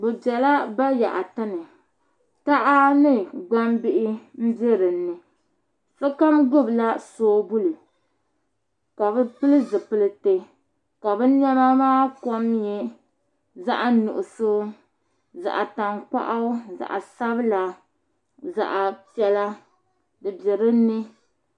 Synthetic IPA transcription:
bɨ˨bɛ˨la˦ba˦ja̰˨ʔa˨ta˦nɨ˨ | ta˦ʔa˦nɨ˦ɡ͡ba˦mbɪ˦ʔɪ˦m̩˦bɛ˦ɾɨ˨n̩ːɨ˨ | fɛ˦ka˦mɡʊ˦bla˦soː˦bu˦lɨ˨ | ka˨bɨ˦pɨ˦lɨ˦zɨ˨pɨ˦lɨ˦te˦ | ka˨bɨ˦n˦ɛ˦ma˦maː˦kɔ˦m˦jɛ˨ | za̰˦ʔa˦nṵ˨ʔʊ˨so˦ | za̰˨ʔa˨ta˨ŋk͡pa̰˦ʔa˦za̰˨ʔa˨sa˦bɨ˦la˨ | za̰˨ʔa˨pi˦ɛ˦la˦ | dɨ˨bɛ˨ɾɨ˦nːɨ˦

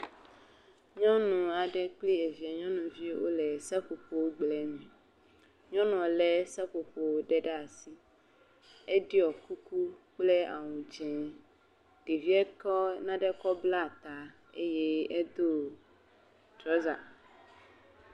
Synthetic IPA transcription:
ɲɔ̃˦nũ˨a˨ɖɛ˦k͡pli˦e˨vi˨a˨ɲɔ̃˦nũ˨vi˦wo̰˦lɛ˨sɛ˦ɸo˨ɸo˦wo˦ɡ͡blɛ˨mĩ˨ | ɲɔ̃˦ñ˨ɔ̃˨lɛ˦sɛ˦ɸo˨ɸo˨wo˦ɖɛ˦ɖɛ˦a˨si˦ | ɛ˦ɖi˦ɔ˨ku˦ku˦k͡plɛ˦a̰˨wũ˨d͡ʒɛ̃˨ | ɖ̥e˨vi˦ɛ˦kɔ˦nã˦ɖɛ˦kɔ˦bla˦˨t̪a˨ | e˦je˦ɛ˦d̪o˦ | t̪ɾɔ˦za˨

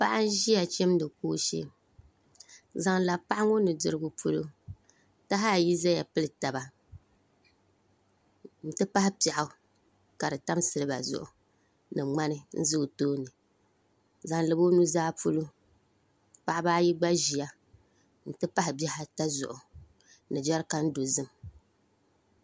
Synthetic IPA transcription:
pa˦ʔa˦n̩˦ʒi˦a˨t͡ʃɛ˦m˦dɨ˨koː˦ʃḛ˦ | za˨ŋla˨pa˦ʔa˦ŋo˦nɨ˨dɨ˨ɾɨ˦ɡʊ˨pʰu˦lo˦ | ta˦ɦa˦˨ji˦za˦ja˨pɨ˦lɨ˦ta˨ba˨ | n̩˦tɨ˦pa˦hɪ˦pa˨ʔa˨˦ | ka˨ɾɨ˨ta˦msɨ˦lɨ˦ba̰˨zʊ̰˨ʔʊ̰˨ | nɨ˨ŋ͡ma˦nɨ˦n̩˦zɨ˦˨toː˦nɨ˨ | za˨ŋlɨ˨bo˦nu˦zaː˦pʰo˦lo˦ | pa˨ʔɪ˦baː˦ji˦ɡ͡ba˦ʒi˨a˦ | n̩˨˦tɨ˦pa˦hɪ˨bɛ˦ha˦ta˦zʊ̰˨ʔʊ˨ | nɨ˨d͡ʒa˦ɾka˦n̩˦do˨zɨ˦m

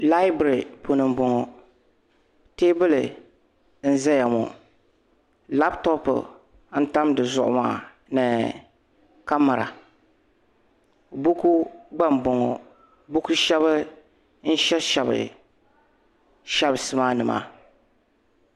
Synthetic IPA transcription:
la˦ɪ˦bɾi˨po˨nɨ˨mbɔ˨ŋɔ˨ | teː˦bɨ˦lɨ˨ | n̩˦zɛ˦ja˨mɔ̰˨ | la˦ptɔ˦pɨ̰˨ | n̩˦ta˦mdɨ˨zʊ̰˨ʔʊ̰˦ma̰ː˦˨ | nɨ˨ | ka˦mːa˨ɾa̰˨ | bu˦ku˦ɡ͡ba˦mbɔ˨ŋɔ˨ | bu˦ku˦ʃɛ˦βɨ˦ | n̩˦ʃɛ˦ʃɛ˨bɨ̰˨ | ʃɛ˦bsɨ˦maː˦nɨ˨ma̰ː˦˨

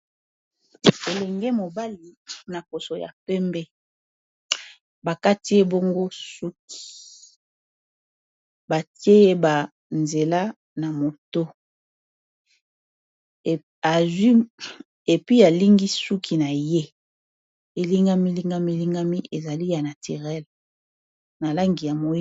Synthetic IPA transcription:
e˨lɛ˨ŋɡɛ˦mo˨ba˦li˨na˨po˨so˨ja̰˨pɛ˦mbɛ˦ | ba˨ka˦ti˦e˦bo˦ŋɡo˦su˦ki̥˨ | ba˨ti˦e˦e˦ba˨ | nze˨la˦ | na˨mo˨to˦˨ | a˨zwi˦ | e˨pi˦a˨li˦ŋɡi˦su˦kʰi˨na˨je˦ | e˨li˦ŋɡa˦mi˦li˦ŋɡa˦mi˦li˦ŋɡa˦mi˦ʔe˨za˨li˦ja˨na˨ti˨ʁɛ˦l | na˨la˦ŋɡi˨ja˨mo˨˦

